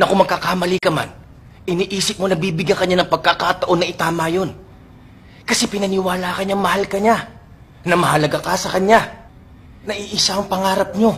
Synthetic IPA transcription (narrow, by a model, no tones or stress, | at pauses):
nɐkomɐɡ̚kːakamɐlikɐma̰n | ʔɪniːʔiːsɪp̚monɐbiːbɪɡjɐŋkɐɲanɐŋpɐɡ̚kːakat̪ɐʔo̞nːɐʔɪt̪aːmajo̞n | kɐsɛpɪnɐnɪwaːlaːkɐɲɐŋmɐhalkɐɲa | nɐmɐɦɐlɐɡakasɐkɐɲa | nɐʔiʔɪsaŋpɐŋaːɾɐp̚ɲo̞